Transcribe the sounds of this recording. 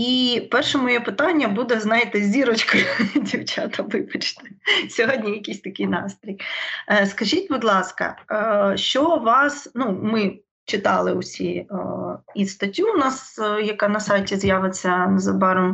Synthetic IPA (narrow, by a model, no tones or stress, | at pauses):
ipɛrʃɛmɔjɛpɪt̪ɑnʲːɐbud̪ɛznɑjɪt̪ɪzʲdʲiɾɔt͡ʃkɔjdʲiwt͡ʃɑt̪ɐʋɪbɐt͡ʃt̪ɛ̥sʲɔɦɔdʲnʲijɐkʲisʲt̪ɐkʲɪjnɑ̰st̪ɾʲijskɐʒʲit̚ʲbʊd̪lˠɑskɐ̰ʃt͡ʃɔʋɑsnumɪ | t͡ʃɪt̪ɑlˠɪʊsʲi | ist̪ɐtʲːunɑsjɐkɑnɐsɑjtʲizjaʋɪt͡sʲːɐnzɐbɑɾɔm